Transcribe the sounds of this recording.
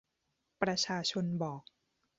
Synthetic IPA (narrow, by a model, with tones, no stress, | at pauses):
pɾa˧t͡ɕʰaː˧t͡ɕʰo˧nbɔː˨˩k̚